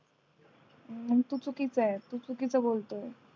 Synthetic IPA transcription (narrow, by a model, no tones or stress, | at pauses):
ət̪ut͡sukit͡sat̪ut͡sukit͡səbolt̪o